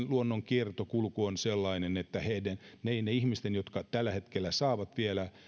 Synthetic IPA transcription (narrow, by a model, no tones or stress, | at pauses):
luonːoŋkiert̪okulkuonselːɑinenet̪ːæheidænneineihmist̪enjot̪kɑt̪ælːæhet̪kelːæsɑːʋɑt̪ʋielæ